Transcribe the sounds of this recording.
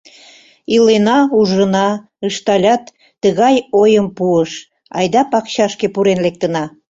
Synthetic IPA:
ilenɑuʒənɑ | əʃt̪ɑlʲɑt̪ː | əɣɑjojəmpuəʃ | ɑ̰jd̪ɑpɑkɕɑʃkepuɾenlek̚t̪ənɑ

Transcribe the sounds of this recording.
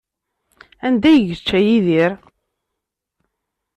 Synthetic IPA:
ænd̪æjəʝət͡ʃːæjiðiɾ

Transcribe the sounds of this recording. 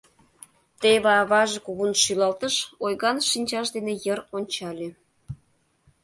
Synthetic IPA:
t̪eβɑːβɑʒekuβunʃylɑlt̪əʃojɣɑnʃinʲt͡ɕɑʃd̪enejəronʲt͡ɕɑlʲe

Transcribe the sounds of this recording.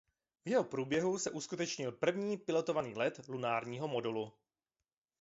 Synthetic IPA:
vjɛɦopɾuːbjɛɦusɛʔuskut̪ɛt͡ʃɲɪlpr̩vɲiːpɪlo̞t̪ovaniːlɛt̪lunaːɾɲiːɦo̞mo̞dulu

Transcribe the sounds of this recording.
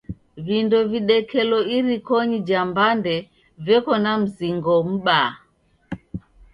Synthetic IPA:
βindɔviɗɛkʰɛlɔiɾikɔɲid͡ʒambandɛ | vɛkɔnam̩ziŋɡɔm̩ɓa

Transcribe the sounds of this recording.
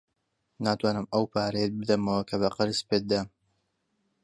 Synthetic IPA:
naːt̪waːnɨmɐwpʰaːɾejɛt̪̚bɨd̪ɐmɐwɐkʰɐβɐqɐɾɨspet̪̚d̪ɐm

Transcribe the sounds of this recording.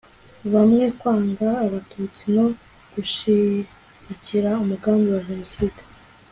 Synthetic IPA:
βamŋe̞kwaːŋɡaːβatʰut͡sino̞ | ɡ̥uʃi | ɟiciɾaumuɡaːmbiwaʒe̞no̞siːde

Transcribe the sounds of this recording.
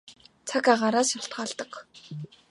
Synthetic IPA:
t͡sʰakaʁaːɾaːsʃjaɬt̪̚ɢaːɮt̪ə̆k

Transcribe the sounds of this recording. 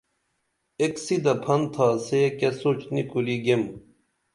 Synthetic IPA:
eksid̪ɐpʰɐnt̪ʰaːsekesot͡ɕnikuliɡem

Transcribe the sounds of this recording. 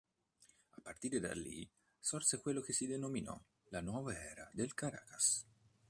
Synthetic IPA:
apart̪iɾd̪a̰lḭ | sɔrsekwelokesid̪enominɔ̰ | lanwɔvaɛɾad̪elkaɾa̰ːkḁs

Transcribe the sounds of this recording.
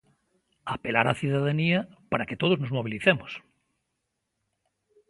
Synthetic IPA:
apelaɾaθjuðaðaniapaɾaket̪oð̞oznozmoβ̞iliθemos

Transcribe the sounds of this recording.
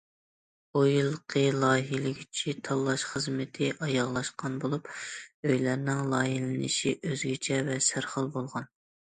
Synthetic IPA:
ojlˠqʰəlˠɑːɦilɪɡʲit͡ʃʰit̪ʰɑlˠːɑʃχəzmɪt̪ʰɪʔɑjɑʁlˠɑʃqɑnbolˠupøjlæɾnɪŋlˠɑːjilɪnɪ̰ʃiʔøzɡʲɪt͡ʃʰɛvɛsæɾχəlˠbolˠʁɑn

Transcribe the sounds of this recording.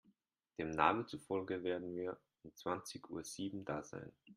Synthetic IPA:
d̥eːmna̰ːmənt͡sufɔlɡəveːɐdn̩viːɐ | ʊmt͡sv̥ant͡sɪçʔṵːɐz̥iːbm̩daːz̥a̰ɪn

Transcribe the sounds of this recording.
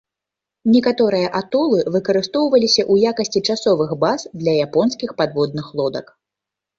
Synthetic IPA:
nʲɛkat̪ɔɾɨjɐʔat̪ɔlˠɨvɨkɐɾɨst̪ɔwvɐlʲisʲɐʔujakɐsʲt͡sʲit͡ʂasɔvɨxbazd̪lʲɐjapɔnskʲixpad̪vɔd̪̚nɨxlˠɔd̪ɐ̰k

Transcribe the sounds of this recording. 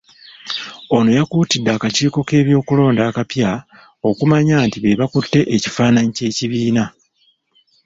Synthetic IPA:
o̞no̞jakuːtidːaːkaciːko̞ke̞ːβjo̞ːkulo̞ːndaːkapja | o̞kumaɲaːntiβe̞βakutːe̞ʔeci̥faːnaɲice̞ːciβiːna

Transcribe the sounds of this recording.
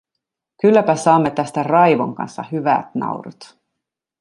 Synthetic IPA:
kylːæpæsɑːmːe̞t̪æst̪ærɑjʋoŋkɑ̰nsːɑ̰hyʋæ̰t̪nɑ̰wɾut̪

